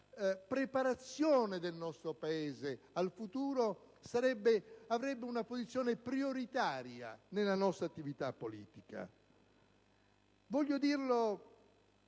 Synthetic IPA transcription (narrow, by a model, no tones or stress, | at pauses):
pɾepaɾat̪sːjɔːned̪elnɔst̪ɾopaɛːze | alfut̪uːɾo | saɾɛbːeavɾɛbːeunapozit̪sːjɔːnepɾioɾit̪aːɾja̰nelanɔst̪ɾat̪ːivit̪apːolḭːt̪ika̰ | vɔʎːod̪iːrlo